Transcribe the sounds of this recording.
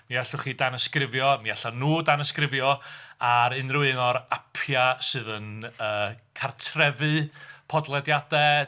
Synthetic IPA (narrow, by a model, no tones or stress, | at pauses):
miaɬʊχidanəskrɪvjɔmiaɬanuːdanəskrɪvjɔaɾɨnrʊɨnɔɾapʰjasɨːðənəːkʰartʰrɛvɨpʰɔdlˠɛdjadɛ